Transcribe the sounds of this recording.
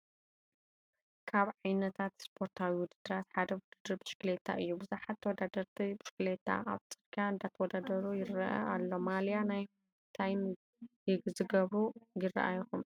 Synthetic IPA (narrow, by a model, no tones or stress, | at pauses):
kʰaβʕajnɐt̪ʰat̪spʰo̞ɾt̪ʰawiwʊd̪ɨd̪ːɨɾat̪ħad̪ɐwʊd̪ɨd̪ɨɾbɨʃklet̪ʰa̰ʔɨjːubɨzuħat̪ʰːɐwɔd̪ad̪ɐɾt̪ʰibiʃklet̪ʰːa̰ʔa̰βt͡sʼɨɾkʰaɨnd̪at̪ʰɐwɔd̪ad̪ɐɾujɪɾɐʔɐ̰alːomaljanaj | t̪ʰajm | jɪɡzɨɡɐβujɪrɐ̰ʔa̰jxum